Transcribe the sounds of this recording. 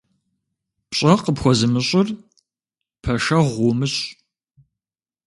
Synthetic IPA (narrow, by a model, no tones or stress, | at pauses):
pɕʼɐqəpxʷɔzɨmɨɕʼʊr | pʰɐʃɐʁʷʊmɨɕʼ